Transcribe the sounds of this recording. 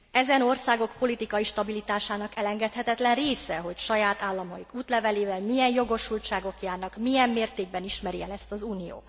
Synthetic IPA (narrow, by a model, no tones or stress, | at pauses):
ɛzɛno̞rsaːɡo̞kpo̞lit̪ikɒiʃt̪ɒbilit̪aːʃaːnɒkɛlɛŋɡɛt̪hɛt̪ɛt̪lɛnreːsɛɦo̞cʃɒjaːt̪aːlːɒmɒjikuːt̪lɛvɛleːvɛlmijɛnjo̞ɡo̞ʃult͡ʃaːɡo̞kjaːrnɒkmijɛmːeːrt̪eːɡ̚bɛniʃmɛɾiɛlɛst̪ɒzuːnijo̰ː